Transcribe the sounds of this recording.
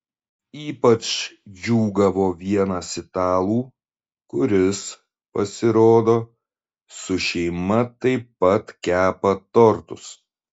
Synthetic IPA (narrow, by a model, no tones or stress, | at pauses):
iːpɐt͡ʃd͡ʒʲuːɡɐʋoːʋʲiɛnɑːsʲɪt̪ɑːlˠuː | kʊɾʲɪs | pɐsʲɪɾoːd̪oː | sʊʃʲɛɪmɐt̪ɐɪpːɐt̪kʲæːpɐt̪ɔɾt̪ʊs